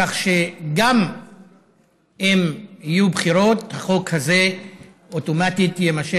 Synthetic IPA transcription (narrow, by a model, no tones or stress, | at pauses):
aχʃeɡam | emijubχiɾo̞thaχo̞khaze | otomatitjemaʃe